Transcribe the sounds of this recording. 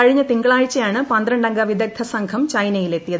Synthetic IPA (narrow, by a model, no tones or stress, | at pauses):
ɐɻiɲːɐt̪iŋɡɐɭaːɻt͡ɕːɐjaːɳɨpɐnd̪ɾɐɳɖɐŋɡɐʋid̪ʱɐk̚t̪ʰːɐsɐŋɡʰɐmt͡ɕɐjnɐjile̞t̪ːijɐð